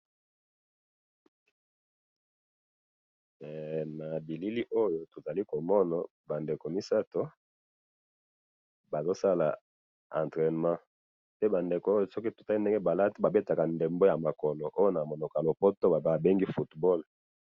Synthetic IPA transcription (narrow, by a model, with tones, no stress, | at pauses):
na˨bi˨li˦li˦ʔo˦jo˦to˨za˨li˦ko˨mɔ˦na˨ | ba˨nde˨ko˨mi˦sa˦to˦ | ba˨zo˦sa˦la˨ | ã˨ntʁɛ˨n˨mã˦ | te˦ba˨nde˨ko˨o˦jo˨sɔ˦ki˦to̥˨ta˦i˦nde˦ŋɡe˦ba˨la˦ti˦ba˨be˦ta˨ka˨nde˨mbo˦ja˨ma˨kɔ˨lo˨ʔo˦jo˦na˨mo˨no˨ka˨lo˨po˦to˦ba˨ba˨be˦ŋɡi˦fu˨tbɔ˦˨l